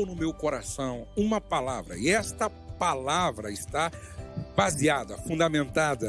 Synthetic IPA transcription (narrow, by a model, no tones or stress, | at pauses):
wnʊmewkoɾasɐ̃w̃ũmɐpalavɾɐ̰ɪɛst̪ɐ | palavɾɐɪst̪abaziad̪ɐfũnd̪amẽnt̪ad̪ɐ